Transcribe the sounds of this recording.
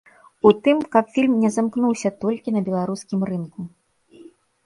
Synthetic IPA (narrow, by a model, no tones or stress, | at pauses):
ut̪ɨmkɐpfʲilʲmnʲɛzamknuwsʲɐt̪ɔlʲkʲinɐbʲɛlˠaɾuskʲimrɨnku